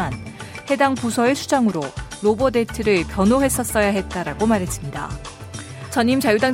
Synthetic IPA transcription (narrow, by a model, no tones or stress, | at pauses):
anhe̞daŋpusʰʌesʰud͡ʑaŋɯɾolobʌde̞tʰɯɾɯɭpjʌnoɦe̞s͈ʌs͈ʌjaɦe̞t̚t͈aɾaɡomaɾɦe̞s͈ɯmɲida̰ | t͡ɕʌɲimt͡ɕajudaŋ